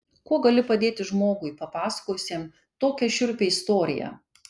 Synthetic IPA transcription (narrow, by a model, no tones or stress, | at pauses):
kuɔɡɐlʲɪpɐd̪ʲeːt̪ʲɪʒmoːɡʊɪpɐpɑːsɐ̥koːjʊsʲeːm | t̪oːkʲɛʃʲʊɾʲpʲeːɪst̪oːɾʲɪ̰jɛ̰